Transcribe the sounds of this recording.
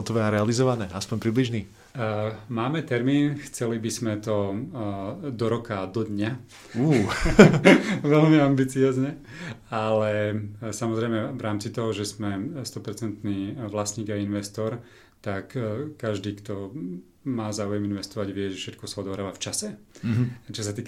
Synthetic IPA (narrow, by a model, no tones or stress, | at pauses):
ɔt̪ɔʋɛaɾɛalizɔʋanɛʔaspɔɲpɾibliʒniː | maːmɛt̪ɛɾmiːnxt͡sɛlibizmɛt̪ɔ | d̪ɔɾɔkad̪ɔd̪ɲa | uː | ʋɛlmiambit͡siɔːzɲɛ | alɛsamɔzɾɛɪmɛʋɾʔaːmt͡sit̪ɔɦɔʒɛzmɛst̪ɔpɛɾt͡sɛnt̪niːʋlasɲiːɡainʋɛst̪ɔːɾ | t̪akkːaʒd̪iːkt̪ɔ | maːzaːujɛminʋɛst̪ɔʋaɟʋɪɛʒɛfʃɛt̪̚kɔsaɔd̪ɔɦɾaːʋaft͡ʃasɛ | t͡ʃɔsat̪iːk